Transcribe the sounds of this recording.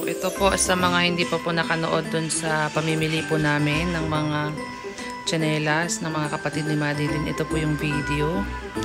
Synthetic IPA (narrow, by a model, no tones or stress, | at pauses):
ʔɛt̪opo̞sɐmɐŋahɪnd̪iːpɐpʊnɐkɐno̰ʔo̞d̪ːʊnsɐpɐmimɪlipʊnaːmɪnːɐŋmɐŋa | d͡ʒɐnɛːlɐsnɐŋmɐŋakɐpɐt̪ɪd̪̚nɪmaːd̪ɪlɪnʔɛ̰t̪o̞pʊjʊŋviːd̪ɛo